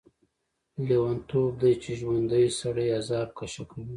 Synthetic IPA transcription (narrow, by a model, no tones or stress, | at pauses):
lewant̪ʰob̚d̪ajt͡ʃeʒwand̪əjsaɽəjazɑɾkʰaʃakawi